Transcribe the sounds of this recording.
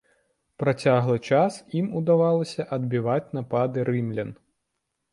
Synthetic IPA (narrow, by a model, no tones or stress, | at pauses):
pɾat͡sʲaɣlˠɨt͡ʂasimud̪avalˠɐsʲɐʔɐd̪̚bʲivat͡sʲnapad̪ɨɾɨmlʲɐn